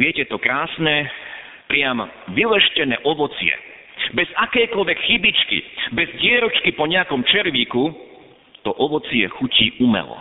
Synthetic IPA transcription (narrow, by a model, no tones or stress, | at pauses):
ʋɪɛcɛt̪ɔkɾaːsnɛ | pɾɪam | ʋilɛʃcɛnɛ̰ːʔɔʋɔt͡sɪɛ̰ | bɛzakɛjkɔlʋɛkxibit͡ʃkḭbɛzɟɪɛɾɔt͡ʃkipɔɲɛakɔmt͡ʃɛɾʋiːku | t̪ɔʔɔʋɔt͡sɪɛxuciːʔumɛ̰lɔ̰